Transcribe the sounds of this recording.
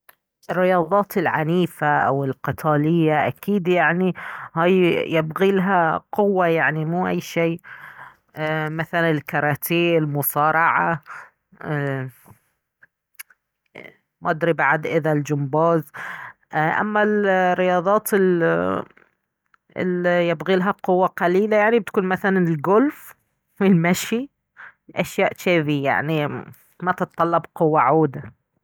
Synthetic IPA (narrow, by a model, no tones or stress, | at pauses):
ʔɪrːɪjɑːðˤɑːt̪ɪlʕaniːfaʔawɪlqɨt̪ʰɑːlɪjːaʔa̰kiːd̪jaʕnihaːjjɪbɣilaɦaqʊwːajaʕnimuːʔajːʃiː | maθalanɪlkɑɾˤɑːt̪ʰiːlmʊsˤɑːɾˤɑʕa | mad̪ɾibaʕad̪ʔɪðald͡ʒʊmbɑːz | ʔa̰mːalrːɪjɑːðˤɑːt̪ɪl | ɪ̰ljabɣiːlɦaqʊwːaqɑliːlajaʕnibɪt̪kuːnmaθalanɪlɡʊlf | wɪlmaʃi | ʔaʃjaːʔʃeːðija̰ʕni | mat̪ɨt̪ˤːɑlːɑbqʊwːaʕuːd̪a